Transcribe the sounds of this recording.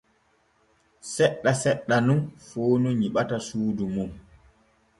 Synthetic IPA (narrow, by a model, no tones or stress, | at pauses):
sɛɗːasɛɗːanunfoːnuɲiɓatasuːdumum